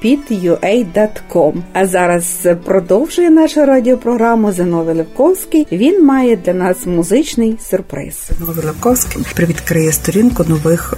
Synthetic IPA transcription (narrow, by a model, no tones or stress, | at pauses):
pʲid̪jʊʔɛjd̪ɑt̪kɔmɐzɑɾɐzpɾɔd̪ɔwʒʊjɛnɑʃʊɾɑdʲiɔpɾɔɦɾɑmʊzenɔʋɪlˠɪwkɔwsʲkɪjʋʲinmɑjɛd̪lʲɐnɑsmʊzɪt͡ʃnɪjsʲʊrpɾɪ̰snɔʋʲɪlˠɪwkɔwsʲkɪpɾɪʋʲid̪kɾɪjɛst̪ɔɾʲinkʊnɔʋɪx